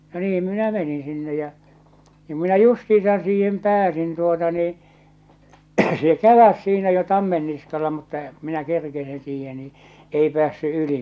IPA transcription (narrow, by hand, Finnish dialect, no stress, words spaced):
no niːm minæ menĩː sinːe jæ nim minæ justiːsɑn siːhem pæːsin tuotɑ niː se kæʋæs siːnæ jo tɑmːen niskɑlɑ mutːɑ k̆ŭ minæ kerkesin siːhe ni ei pĕæːsːy yli